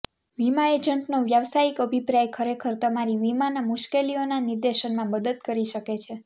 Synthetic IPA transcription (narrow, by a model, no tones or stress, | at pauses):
ʋimaed͡ʒəɳʈnoʋjaʋsaikəbʱipɾajkʰəɾekʰəɾt̪əmaɾiʋimanamuʃkelionanɪɾd̪eʃənmãməd̪əd̪kəɾiʃəket͡ʃʰe